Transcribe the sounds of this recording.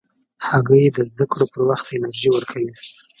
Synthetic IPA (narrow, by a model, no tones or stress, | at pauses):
haɡəjed̪əzd̪akɽopəɾwaxt̪ɪnaɾʒiwəɾkʰawi